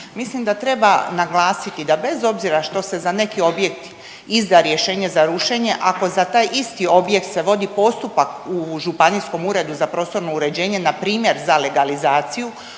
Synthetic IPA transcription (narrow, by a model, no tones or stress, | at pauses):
mislimd̪at̪ɾe̞banaɡlˠaːsit̪id̪abe̞zo̞bziɾaʃt̪o̞se̞zane̞kio̞bje̞kt̪ | izd̪aɾje̞ʃeːɲe̞zaɾuʃe̞ɲe̞ʔako̞zat̪aːjʔist̪io̞bje̞kt̪se̞ʋo̞d̪ipo̞st̪upakuʒupanisko̞muɾe̞d̪uzapɾo̞ːst̪o̞ɾno̞uɾe̞d͡ʑe̞ːɲenapɾiːmje̞ɾzale̞ɡalizaːt̪siju